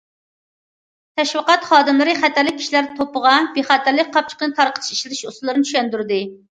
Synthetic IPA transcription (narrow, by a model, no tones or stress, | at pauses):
t̪ʰɛʃwəqɑt̪χɑːd̪ɨmlˠɨɾɨχæt̪ʰæɾlɪk̚ʲʰi̥ʃilæɾt̪ʰopəʁɑbeχɑt̪ɪɾlɪk̚ʲqʰɑp̚t͡ʃʰə̥qənɨt̪ʰɑɾqʰə̥t̪ʰʃi̥ʃlɪlɪʃoslˠɨɾɨnt͡ʃʰy̥ʃɛnd̪yɾd̪ɨ